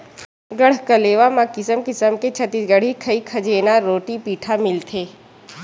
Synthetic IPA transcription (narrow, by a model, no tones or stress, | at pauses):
ɡɐɽ̤kəleːʋamãkɪsəmkɪsəmket͡ʃʰɐt̪iɡəɽ̤ikʰɐikʰɐd͡ʒeːnaɾoːʈipiːʈʰamɪlt̪ʰeː